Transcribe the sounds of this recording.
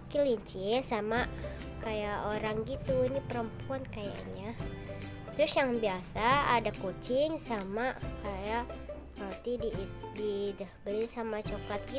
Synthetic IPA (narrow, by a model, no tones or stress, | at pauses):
kiliɲt͡ʃiasamakajaʔoɾaŋɡit̪uinipəɾəmpuankaja̰ɲa | t̪ɾʊsjaŋbiasaːdakot͡ʃɪŋsamakajaʔ | alt̪idididabəlɪnsamat͡ʃokat̪̚ɡi